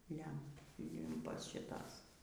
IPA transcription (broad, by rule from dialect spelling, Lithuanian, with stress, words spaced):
ˈlʲɛm ˈlʲɪmpɐs ʃʲɪˈtɐs